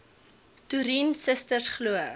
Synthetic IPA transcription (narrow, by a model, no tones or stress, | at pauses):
tuɾinsəstərsχluə